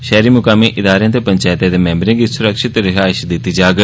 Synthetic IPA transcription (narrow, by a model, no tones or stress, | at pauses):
ʃɛːɾiːmʊkaːmeʔɪd̪aːɾejãːt̪eːpəɲt͡ʃaːɪt̪ãːd̪eːmɛ̃ːmbɾɪ̃ŋɡisʊɾəkʃɪt̪ɾɪɦaːɪʃd̪ɪt̪ːiːd͡ʒaːɡ